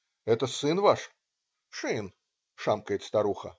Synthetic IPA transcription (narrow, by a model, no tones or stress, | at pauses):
ɛt̪əsɨnvaʂ | ʂɨn | ʂamkəjɪt̪st̪ɐɾuxə̰